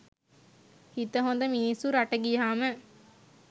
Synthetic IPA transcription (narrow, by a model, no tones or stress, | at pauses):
hit̪əɦond̪əminisːuɾaʈəɡiɦaːmə